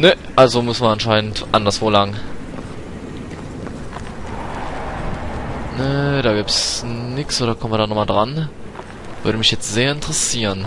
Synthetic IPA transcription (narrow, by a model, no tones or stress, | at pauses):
nəʔalzomʊsnmɐʔanʃaɪnəntʔandɐsv̥oːlaɡŋ | nəɾaːɡiːptsnɪksʔoːdɾɐkʰɔmnviɐdaːnɔχmaldʁan | v̥ʏɐɾəmɪçjɛt͡stz̥eːɐɪntəʁəsiːʁən